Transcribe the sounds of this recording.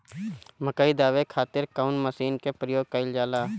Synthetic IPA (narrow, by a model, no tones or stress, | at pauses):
məkəid̪aːʋekʰaːt̪ɪɾkaʊnməsiːnkepɾəjoːɡ̚kəɪld͡ʒaːlaː